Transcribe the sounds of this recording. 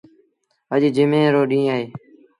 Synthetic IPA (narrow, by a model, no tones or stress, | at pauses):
əʄd͡ʒɪmẽːɾoːɗĩːaːɦeː